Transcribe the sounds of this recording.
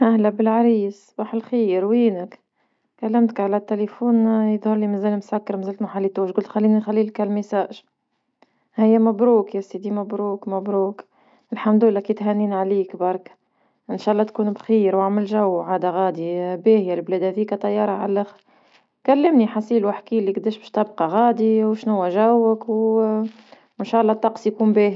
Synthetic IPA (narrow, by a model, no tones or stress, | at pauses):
ʔæhlæbɪlʕaɾiːsbɑːħɪlxiːɾwiːnək | kælːɪmt̪kʕalæt̪ːelefuːnjəðˤhʊɾˤlimæzæːlmsakːɑɾmæzæːlt̪maħalːit̪uːʃɡʊlt̪xælːiːnixælːiːlkælmisaːʔʒ | hɪjːæmæbɾuːkjæsid̪imæbɾuːkmabɾuːk | ɪlħamd̪ʊlːækit̪ɦænːiːnʕaliːkbɑɾˤk | ʔɪnʃaːʔɑlˤːɑt̪kuːnbxiːɾwaʕmɪlʒawːʕaːd̪aɣaːd̪ibeːhjælblæːd̪æfiːkæt̪ˤːɑjːɑːɾˤɑʕa̰lːɪx | kælːɪmniħasiːlwɪħkiːlːiɡd̪eːʃbɛʃt̪ɑbqɑɣɑːd̪iwʃnʊwːæʒæwːəkw | ɪnʃaːʔɑlˤːɑt̪ˤːɑqsˤjkuːmbeːhi